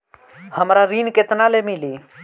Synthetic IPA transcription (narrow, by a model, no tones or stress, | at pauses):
həmɾaɾiːnket̪naːleːmiliː